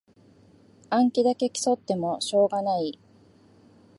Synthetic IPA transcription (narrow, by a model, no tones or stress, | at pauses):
ãŋkʲid̪ake̞kʲi̥so̞t̪ːe̞mo̞ɕo̞ːɡanai